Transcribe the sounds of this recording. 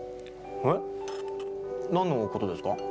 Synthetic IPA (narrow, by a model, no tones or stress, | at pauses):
he | nãnːoko̞t̪o̞d̪e̞sɨ̥ka